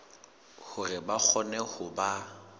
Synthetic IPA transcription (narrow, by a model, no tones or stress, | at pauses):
hʊrɪbak͡xʰɔnɛhʊba